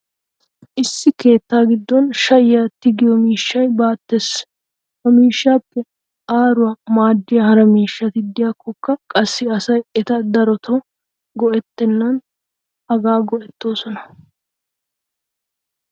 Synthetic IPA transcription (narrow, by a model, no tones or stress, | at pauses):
ʔɪsːɪke̞ːt̪ːaːɡɪd̪ːɔnʃɐjjɐt̪ɪɡɪjɔmiːʃːɐjbaːt̪ːeːs | hɐmiːʃːaːpːɛ | aːɾʊwamaːd̪ːɪjɐhɐɾɐmiːʃːɐt̪ɪd̪ːɪjɐkːɔkːɐkʼɐsːɪɐsɐjɛt̪ɐd̪ɐɾɔt̪ʰɔ | ɡɔʔɛt̪ːɛnːɐn | hɐɡaːɡɔʔɛt̪ːo̞ːsɔnɐ